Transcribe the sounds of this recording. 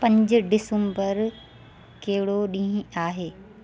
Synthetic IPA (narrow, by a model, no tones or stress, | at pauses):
pɐ̃ɲd͡ʑʊ̆ɖɪsəmbəɾ | keɦɪɽoɗĩːaːɦeː